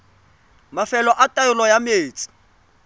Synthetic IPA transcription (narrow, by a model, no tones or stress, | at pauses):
mafɛlɔʔatʼajʊlɔjameːt͡sʼɪ̥